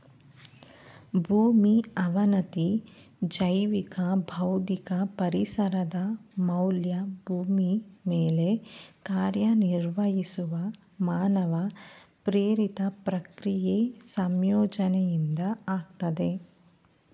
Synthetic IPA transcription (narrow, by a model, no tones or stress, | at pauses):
bʱuːmiɐʋɐnɐt̪id͡ʒɐjʋikɐbʱɐwd̪ikɐpɐɾisɐɾɐd̪ɐmɐwljɐbʱuːmimeːlekaːɾjɐniɾʋɐɦisuʋɐ | maːnɐʋɐpɾeːɾit̪ɐpɾɐkɾijesɐmjɔːd͡ʒɐnɛjind̪ɐaːɡ̚t̪ɐd̪e